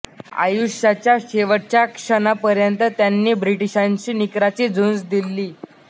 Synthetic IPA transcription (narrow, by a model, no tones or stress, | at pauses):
a̰juɕat͡ɕjaɕeʋəɽt͡ɕjakʂənapəɾjənt̪ət̪janːiːbɾiʈiɕaɲt͡ɕiːnikɾat͡ɕiːd͡zund͡zd̪ilːiː